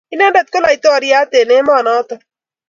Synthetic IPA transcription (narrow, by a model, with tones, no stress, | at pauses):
ɪ˦na˦nɖa˦t̪̚ko˦la˨jt̪o˦a˨ɾijaː˦t̪e˨ne˦maː˨naː˦t̪a